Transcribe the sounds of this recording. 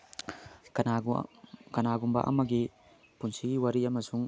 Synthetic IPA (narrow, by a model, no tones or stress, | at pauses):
kɐnaɡumbɐ̰ʔɐ̰mɐɡi | punsiɡiwɐɾiɐmɐsuŋ